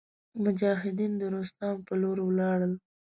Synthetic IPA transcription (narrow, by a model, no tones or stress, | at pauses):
mʊd͡ʒɑɦɪd̪ind̪əɾost̪ɑmpəloɾwlɑɽəl